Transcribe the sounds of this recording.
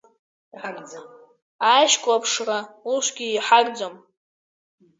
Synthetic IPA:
aʃkʷʼapʰʂrauʃʷɡʲiːħaɡʼd͡zom

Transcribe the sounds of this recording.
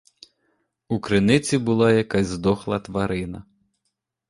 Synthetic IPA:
ukɾɪnɪt͡sʲibʊlˠɑjɐkazʲzd̪ɔxlˠɐt̪ʋɐɾɪnɐ

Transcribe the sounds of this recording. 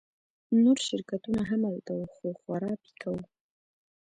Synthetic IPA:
noɾʃɪɾkat̪unaɦamawt̪awxoxwaɾɑːpi̥kʰaw

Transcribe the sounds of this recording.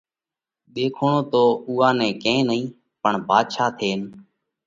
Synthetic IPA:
ɗ̪eːkʰoːɳõːt̪oːuːɦaːnɛ̃ːkẽːnəĩː | pəɳbʱaːd̪ʃaːt̪ʰeːn

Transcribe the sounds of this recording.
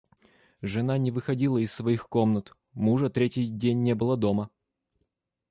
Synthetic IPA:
ʐɨnanʲɪvɨxɐdʲilˠəɪssːvɐixkomnət̪ | muʐət̪ɾʲetʲɪjdʲenʲːebɨlˠəd̪o̞mə

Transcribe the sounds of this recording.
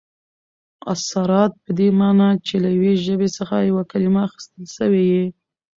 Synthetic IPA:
a̰saɾɑt̪̚pəd̪emɑnɑt͡ʃelajaweʒəbesəxajawakalimaːxɪ̥st̪əlʃəweji

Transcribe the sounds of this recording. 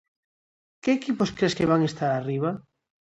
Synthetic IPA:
keːkiposkɾeskeβaŋest̪aɾariβ̞a

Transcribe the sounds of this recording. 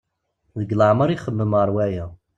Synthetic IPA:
ðəɡlaʕməɾˤiχəmːəməɾˤwæjæ

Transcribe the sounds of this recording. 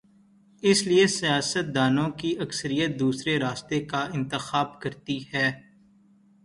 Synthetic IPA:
ɪsliesijaːsət̪̚d̪aːnõkiʔɐksəɾijət̪̚d̪uːsɾeɾaːst̪ekaɪ̃nt̪ɪxaːb̚kɐɾt̪ihɛː

